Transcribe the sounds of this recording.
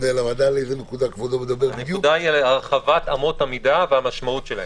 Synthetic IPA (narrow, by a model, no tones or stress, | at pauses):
nelamad̪aleejzenekud̪akvodomed̪abeabnedud̪aialaʁχavatamo̞tamidaveamaʃmautʃelae